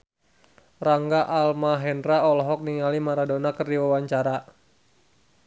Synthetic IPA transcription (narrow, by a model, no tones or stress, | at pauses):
raŋɡaʔalmaɦɛndɾaɔlɔɦɔk̚niŋalimaɾadonakərdiwawaɲt͡ʃaɾa